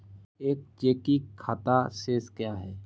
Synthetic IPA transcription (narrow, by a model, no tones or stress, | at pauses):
eːk̚t͡ʃeːkiaːt̪aseːskjaːɦɛː